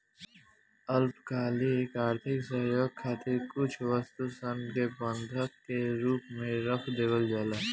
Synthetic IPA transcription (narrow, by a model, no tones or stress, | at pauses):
ɐlpkʰaːlieːkaːɾt̪ʰɪksɐɦjoːɡ̚kʰaːt̪ʰekʊt͡ʃʰʋəst̪usə̃nd̪kebə̃nd̪ʱəkkeɾuːpmẽɾɐpʰd̪eːbəld͡ʒaːlaː